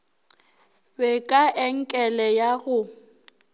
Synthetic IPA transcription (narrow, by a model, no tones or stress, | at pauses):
bɛkʼaʔɛŋ̩kʼɛlɛjaɣʊ